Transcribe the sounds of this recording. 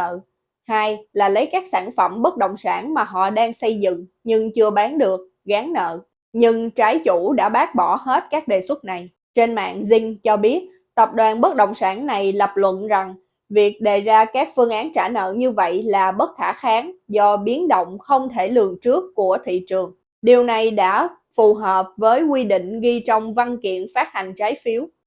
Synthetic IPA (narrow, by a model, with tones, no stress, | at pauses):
əː˧˨ | haː˧jlaː˨˩lə˨˦jkaː˦˥k̚saː˧˩nfə˧˩mɓə˦˥t̚ɗo̰˧˨wŋ͡msaː˧˩nmaː˨˩ɦɔ̰˧˨ɗaː˧ŋsə˧jzɨ̰˧˨ŋ | ɲɨ˧ŋt͡ɕɨ˧əɓaː˨˦nɗɨ˨˩ək̚ | ɣaː˨˦ŋnə̰ː˧˨ | ɲɨ˧ŋt͡ɕaː˨˦jt͡ɕu˧˩ɗa̰ː˧˥ɓaː˦˥k̚ɓɔ˧˩he˦˥t̚kaː˦˥k̚ɗe˨˩swə˦˥t̚na˨˩j | t͡ɕe˧nma̰ː˧˨nzï˧ŋ̟t͡ɕɔ˧ɓi˦˥ət̚ | t̪ə˨˩p̚ɗwaː˨˩nɓə˦˥t̚ɗə̰˧˨wŋ͡msaː˧˩nna˨˩jlə˨˩p̚lwə̰˧˨nza˨˩ŋ | vi˨˩ək̚ɗe˨˩zaː˧kaː˦˥k̚fɨ˧əŋʔaː˨˦nt͡ɕaː˧˩nə̰ː˧˨ɲɨ˧və̰˧˨jlaː˨˩ɓə˦˥t̚t̪ʰaː˧˩˥xaː˨˦ŋzɔ˧ɓi˨˦ənɗo̰˧˨wŋ͡mxə˧wŋ͡mt̪ʰe˧˩lɨ˨˩əŋt͡ɕɨ˦˥əkːu˧˩ət̪ʰḭ˧˨t͡ɕɨ˨˩əŋ | ɗi˨˩əwna˨˩jɗa̰ː˧˥ | fu˨˩ɦəː˨˩p̚vəː˨˦jkwi˧ɗḭ̈˧˨ŋ̟ɣi˧t͡ɕɔ˧wŋ͡mva˧nkḭ˧˨ənfaː˦˥t̚ha˨˩ŋ̟t͡ɕaː˨˦jfi˨˦əw